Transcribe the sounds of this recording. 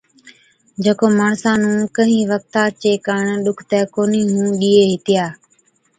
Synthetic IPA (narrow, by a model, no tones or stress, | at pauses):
d͡ʒeːkoːmaːɳsãːnũːkəɦĩːʋək̚t̪aːt͡ʃeːkaːɳɗʊkʰt̪ɛːkoːniːɦũːɗiːeːɦɪt̪ɪjaː